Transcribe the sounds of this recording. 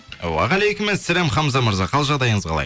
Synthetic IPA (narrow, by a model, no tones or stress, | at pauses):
wɑ̰ʁælejkʲɪmːɪnsælemχɑmzɑməɾzɑqʰɑlˠʒɑʁd̪ɑjəɴəzʁʰɑlˠɑ̰j